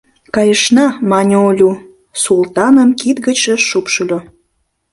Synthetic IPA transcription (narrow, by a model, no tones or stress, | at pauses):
kɑjəʃnɑmɑnʲolʲu | sult̪ɑnəmkit̪ɡət͡ɕəʃupʃəlʲo